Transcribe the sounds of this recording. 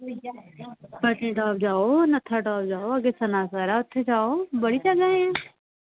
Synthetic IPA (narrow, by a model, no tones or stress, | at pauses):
pəʈẽːʈɔːp̚d͡ʒaːonɐt̪ʰaʈɔːpd͡ʒaːoɐɡesɐnaːsəɾaʊt̪ʰːed͡ʒaːobəɽit͡ʃəɡaɦɛ̃ː